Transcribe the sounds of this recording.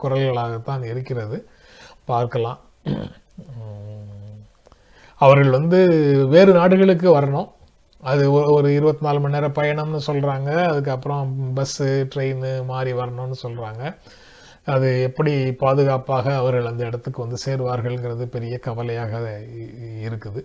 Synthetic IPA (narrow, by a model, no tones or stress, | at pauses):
kʊɾɐlɣɐɭaːɣɐt̪ːãːnɪɾɯkːɪɾɐðɯ | paːɾkɐlãː | ɐʋɐɾɣɐɭʋɐnd̪ɯʋeːɾɯnaːɽɯɣɐɭɯk̬ːɯʋɐɾɐɳõ | ɐðɯɔɔɾɯɪɾɯbɐt̪ːɯnaːlmɐnɛːɾɐpɐjɐɳɐmnɯsɔlraːŋɡɐːðɯk̬ːɯɐpːɯɾɔ̃bɐsɯʈɾeɪnɯmaːɾiʋɐɾɐɳõːnːɯsɔlɾaːŋɡɐː | ðɯɛpːɐɽipaːðɯɣaːpaːɣɐːʋɐɾɣɐɭɐnd̪ɐɪɽɐt̪ːɯkːɯʋɐnd̪ɯseːɾʋaːɾɣɐɭŋɡɪɾɐðɯpɛɾɪjɐkɐʋɐlɐjaːɣɐ | ɪɾɯkːɯðɯ